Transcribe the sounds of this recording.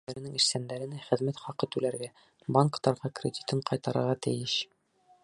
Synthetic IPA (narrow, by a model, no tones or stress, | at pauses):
æɾɘ̆nɘŋiɾsænd̪æɾɘ̆næχɘ̆ðmæt̪χɒqɤt̪ʉlæɾɡæ | bɑŋkt̪ɑɾʁɑkrʲɪd̪ʲi̥t̪ɤɴqɒjt̪ɑɾɤ̰̆ɾʁɑt̪ɘ̰̆jɘɕ